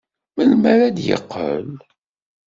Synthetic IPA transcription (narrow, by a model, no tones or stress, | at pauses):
məlmæɾæd̪jə̰qːə̰l